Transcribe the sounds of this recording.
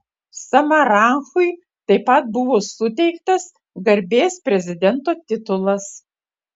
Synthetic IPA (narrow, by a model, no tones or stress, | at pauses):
sɐmɐɾɑŋxʊɪ | t̪ɐɪpɐt̪̚bʊʋoːsʊt̪ʲɛɪkt̪ɐs | ɡɐɾʲbʲeːspʲɾʲɛzʲɪd̪ʲɛnt̪oːt̪ʲɪt̪ʊlˠɐs